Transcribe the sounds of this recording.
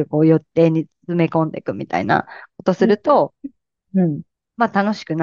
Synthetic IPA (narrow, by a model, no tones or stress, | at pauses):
ɯ̟ko̞ːjo̞t̪ːe̞ːɲ̟it͡sɨ̥t͡sɨme̞kõ̞nd̪e̞̰kɯ̟mʲit̪a̰ḭna̰ko̞t̪o̞sɨɾɯ̟t̪o̞ | ɯ̟̃ɴ | mat̪ano̞ɕi̥kɯ̟na